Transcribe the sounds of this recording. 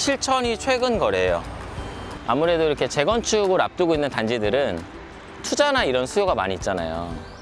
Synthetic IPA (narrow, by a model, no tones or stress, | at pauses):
ɕʰiɭt͡ɕʰʌɲit͡ɕʰwe̞ɡɯnɡʌɾe̞jo̰ | a̰muɾe̞doiɾʌkʰe̞t͡ɕe̞ɡʌnt͡ɕʰuɡoɾap̚t͈ɯɡoinːɯntand͡ʑidɯɾɯn | tʰud͡ʑanaiɾʌnsʰujoɡama̰ɲiːt̚t͡ɕ͈ana̰jo̰